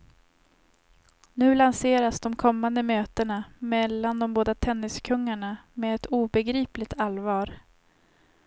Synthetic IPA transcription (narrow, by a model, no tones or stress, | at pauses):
nʉ̟ːlanseːɾasd̪ɔmkʰɔmːand̪əmøːt̪əɳamɛlːand̪ɔmboːd̪at̪ʰɛnːɪskʰɵŋːaɳameːɛt̪uːbɛɡɾiːplɪɡt̪ʰalvɑːɾ